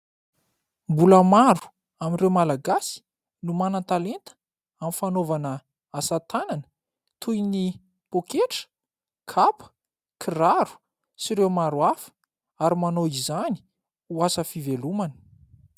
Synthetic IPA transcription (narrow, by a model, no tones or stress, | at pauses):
mbuləmaɾu̥ | aminrewmalaɡasi̥ | numanat̪alent̪ə̥ | amifanovanə | asat̪ananə̥ | t̪ʰujni | pokeʈ͡ʂə̥ | kʰapə̥ | kʰiraɾu̥ | siɾewmaɾuafə̥ | aɾimanoizani̥ | uasəfivelumanə̥